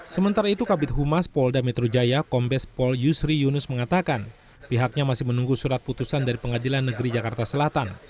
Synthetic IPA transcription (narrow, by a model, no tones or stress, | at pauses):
səmənt̪aɾait̪ukabɪt̪̚ɦumaspɔldamɛt̪ɾod͡ʒajakɔmbɛspɔljusɾijunʊsməŋat̪akan | piɦak̚ɲamasɪhmənuŋɡusuɾat̪̚put̪usandaɾipəŋadilanːəɡəɾid͡ʒakart̪asəlat̪an